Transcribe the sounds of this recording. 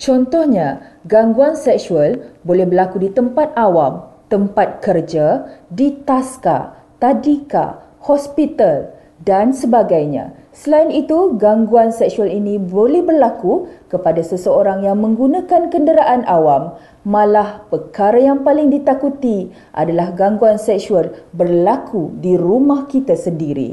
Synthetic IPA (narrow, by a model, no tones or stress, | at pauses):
t͡ʃɔnt̪ɔhɲaɡaŋɡuansɛksualbolɛhbərlakudit̪əmpat̪̚awamt̪əmpat̪̚kərd͡ʒadit̪aska̰ | t̪adika̰ | hɔspit̪al | dansəbaɡajɲã̰səlainit̪uɡaŋɡuansɛksualinĩbolɛhbərlakukəpadasəsəoɾaŋjaŋmə̃ŋɡunãkankəndəɾaʔanʔawamː | ãlahpərkaɾajaŋpalɪŋdit̪akut̪i | ʔa̰dalahɡaŋɡuansɛksualbərlakʰudiɾumãhkit̪asəndiɾḭ